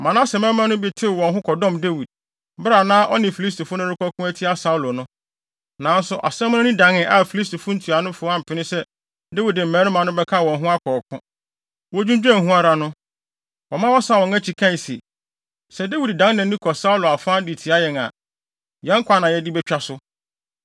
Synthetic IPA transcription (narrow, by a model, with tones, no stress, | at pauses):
mã˨nã˦sɛ˨mɛ̃˦mã˦nʊ̃˦bi˦tʰɪ˦˨wɔ̃˨nɦʊ̃˦kʰɔ˨dɔ̃˦˨mde˦wi˨d̚ | bɾa˨nãː˦ʔɔ˦nɪ̃˨fi˨li˦s̬tʰo˨fʊ˦nʊ̃˦ɾɪ˦kʰɔ˦kʰʊ̃˦æ˦tʰi˦a˦sa˨u˦lo˨nʊ̃˦ | nã˨˦n˦sʊ˨ʔa̰˨sɛ̃˦m˦nʊ̃˦nɪ̃˦dã˨ŋɪ̃˦˨ʔa˨fi˨li˦s̬to˨fʊ̃˦n̩˦tʰi˨a˨nʊ̃˦fʊ˨˦a˦˨m̩˨pʰɪ˨nɪ̃˦sɛ˦ | de˦wi˨dɪ˨m̩˨mɛ̃˨˦ɾʊ̃˦mã˨nʊ̃˦bɛ˦kʰã˦˨wɔ̃˨nɦʊ̃˦a˦kʰɔː˨kʰʊ̃˦ | wɔ˦d͡ʑᶣũ˦d͡ʑᶣɛ̃˦˨ɦũ˦a˦ɾa˨nʊ̃˦ | wɔ˨mã˦wɔ˦sa˦˨wɔ̃˨ŋæ˦t͡ɕʰi˨kʰã˦˨n˨sḛ˨ | sɛ˨de˦wi˨ddã˦ŋnɛ̃˨˦ĩ˦kʰɔ˨sa˦u˦lo˨a˨fãː˦di˨tʰi˨a˦jɛ˨ŋa̰˨ | jɛ̃˦ŋ̩˦kʰʷa˨˦nã˨jɛ˨dɪ˦bɛ˦t͡ɕᶣa˦sʊ˦